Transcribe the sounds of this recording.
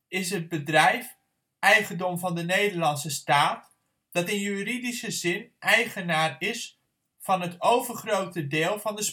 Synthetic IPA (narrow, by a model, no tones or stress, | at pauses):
ɪs̬ɦəd̚bədrɛjf | ʔɛjχəndɔmvɑndənejdəɹlɑnsəstaːt | d̥ɑtɪnjyridisəzɪnʔɛjχənaːrɪs | fɑnɦətowvərχrowtədɪːlˠvɑndəs